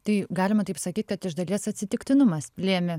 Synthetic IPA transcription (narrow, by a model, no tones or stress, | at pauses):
t̪ɐɪɡɑːlʲɪmɐt̪ɐɪpsɐkʲiːt̪̚ʲkɐt̪ɪʒd̪ɐlʲiɛsɐt̪ʲsʲɪt̪ʲɪkt̪ʲɪnʊmɐspʲlʲiɛmʲɪ